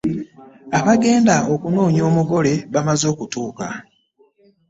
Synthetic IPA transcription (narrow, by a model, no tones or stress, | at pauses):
aβaɡe̞ːndao̞kuno̞ːɲo̞ːmuɡo̞le̞βamazo̞ːkutuːka̰